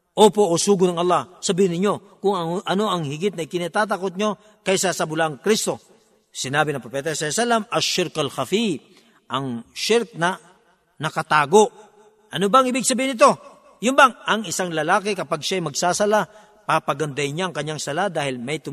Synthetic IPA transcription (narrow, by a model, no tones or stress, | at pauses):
ʔoːpo̞ʔosuːɡʊnɐŋɐlˠːahsɐbiːhɪnɪɲːo̞ | kʊŋɐʔɐno̞ʔɐŋhɪɡɪt̪̚nɐjkɪnɐt̪aːt̪̬ɐkot̪̚ɲo̞ | kɐjsasɐbʊlaŋkɾist̪o̞ | sɪnaːbɪnɐŋpɾopɛːt̪ɐsɐsalːamɐʃɪɾkɐlxɐfi | ʔɐŋʃɪɾk̚nɐ | nɐkɐt̪aːɡo̞ʔ | ʔɐnobaŋɪbɪɡ̚sɐbiːhɪnɪt̪̬o̞ | jʊnbaŋɐŋɪsaŋlɐlaːkɛkɐpaɡ̚ʃaɐjmɐɡsaːsɐla | papɐɡɐnd̪ɐjɲaɐŋkɐɲːaŋsɐlad̪aːhɪlmɐjt̪ʊ